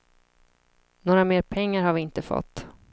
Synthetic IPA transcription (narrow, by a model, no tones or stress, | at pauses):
noːɾameːɾpʰɛŋːaɾhaɾvɪɪnt̪əfɔ̰t̪ː